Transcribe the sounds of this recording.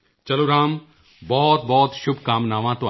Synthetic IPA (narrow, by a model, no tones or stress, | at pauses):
t͡ʃɐloːɾaːm | bɔːt̪bɔːt̪ʃʊbʱkaːmnaːʋãt̪õ